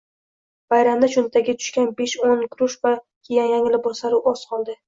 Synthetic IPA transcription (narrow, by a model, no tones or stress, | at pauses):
vajɾamd̪at͡ʃʊnt̪ʰaɡʲɪt̪ʰʊ̥ʃkʲanbe̞ʃonkʰʊɾʊʃva | kʲʰejanjaŋɪlɪbɒsaɾʊʔɒzqʰɒlˠd̪ɪ